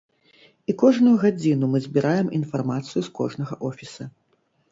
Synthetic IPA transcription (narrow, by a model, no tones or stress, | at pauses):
ikɔʐnujuɣad͡zʲin̪umɨzʲbʲiɾʔajɛmʔin̪farmat̪sɨjuskɔ̰ʐnɐɣɐʔɔfʲisɐ